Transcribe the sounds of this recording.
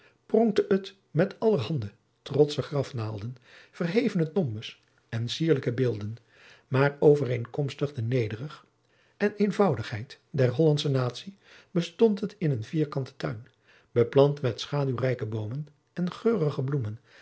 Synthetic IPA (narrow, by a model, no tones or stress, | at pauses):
prɔŋk̚təʔət | mɛtɑləɦɑndə | trɔtsəχrɑfnaːlˠdən | v̥ərɦejvənətɔmbəs | ɛnsiːɹləkəbɪːlˠdən | maːrowvərejŋkɔmstəχdənejdərəχ | ɛnejnvɑwdəχɦɛjt | dɛrɦɔlɑntsənaːtsi | b̥əstɔntɦətɪnənviːɹkɑntə̥tœɥn | bəplɑntmɛtsχaːdywrɛjkəbowmən | ɛnχøːrəχəblumən